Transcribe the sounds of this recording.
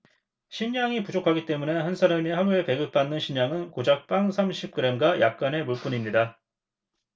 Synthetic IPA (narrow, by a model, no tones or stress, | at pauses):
ɕʰiɲaŋipud͡ʑokʰaɡit͈e̞mune̞hansʰaɾameɦaɡuɭpe̞ɡɯk̚p͈anːɯnɕʰiɲaŋɯnkod͡ʑak̚p͈aŋsʰamɕʰip̚k͈ɯɾe̞mɡajak̚k͈ane̞muɭp͈uɲimɲida